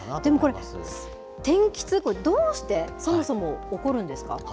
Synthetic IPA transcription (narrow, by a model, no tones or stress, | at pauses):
d̪̥e̞mo̞ko̞ɾe | t̪ẽ̞ŋkʲi̥t͡sɨkoɾed̪oːɕi̥t̪e̞so̞mo̞so̞mo̞ːko̞ɾɯ̟̃nd̪e̞sɨ̥ka̰